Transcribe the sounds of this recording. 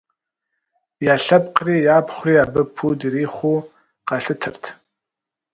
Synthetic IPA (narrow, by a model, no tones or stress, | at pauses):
jaːɬɐpqriːjaːpχʷriːabɨpʰuːdiriːχʷuː | qɑɬɨtʰɨrtʰ